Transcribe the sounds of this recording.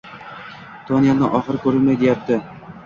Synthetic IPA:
t̪ʰonijanɪʔɒχɨɾɪkʰʲɵɾɪlmajd̪e̞jap̚t̪ʰɪ

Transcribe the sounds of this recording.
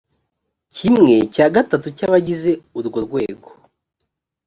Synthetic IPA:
cimŋe̞caːɡatatucaβaɟize̞uɾɡoɾɡwe̞ːɡo̥

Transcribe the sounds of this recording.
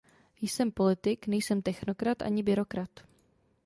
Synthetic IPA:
jsɛmpo̞lɪt̪ɪknɛjsɛmt̪ɛxno̞kɾat̪ʔa̰ɲɪbɪɾo̞kɾat̪

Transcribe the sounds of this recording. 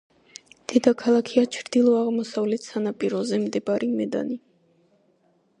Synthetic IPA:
d̪̥ɛd̪akʰalˠakʰiat͡ʃʰɾd̪ilˠɔaʁmɔsavlɛt̪ʰsanapʼiɾɔzɛmd̪ɛbaɾimɛd̪a̰ni

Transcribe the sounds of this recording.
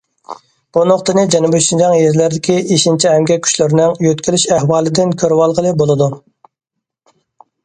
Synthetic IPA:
b̥unoqt̪ɨnɨd͡ʒɛnubyt͡ʃ̪ind͡ʒɛŋjeɾlæɾd̪ɪkʲieʃint͡ʃʰiɦɛmɡʲɛkʲʰy̥ʃlɪɾnɪŋjøt̪kʲilyʃɛhwɑːlˠɪd̪ɪnkʲʰøɾwɑlˠʁəlˠɨbolˠɨd̪u

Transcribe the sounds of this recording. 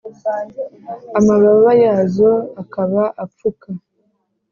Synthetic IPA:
amaβaβajazoakaβaʔap͡fuka

